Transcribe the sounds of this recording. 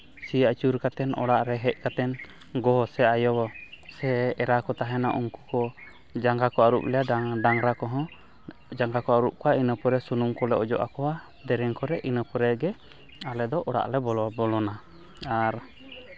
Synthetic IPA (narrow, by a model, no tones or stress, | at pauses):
siat͡ʃuɾkat̪ɛnʔɔ̰ɽaʔɾɛɦɛc̚kat̪ɛn | ɡɔɦɔsɛajɔbɔsɛɛɾakɔt̪aɦɛnaʔuŋku̥kɔ | d͡ʒaŋɡakɔaɾup̚lɛjaɖaŋɾakɔɦɔ̃ | d͡ʒaŋɡakɔaɾup̚kɔainəpɔɾɛsunumkɔlɛɔd͡ʒɔ̰ʔa̰kɔwa | d̪ɛɾɛŋkɔɾɛʔinəpɾɛɡɛ | alɛd̪ɔʔɔɽa̰ʔlɛbɔlɔbɔlɔna | aɾ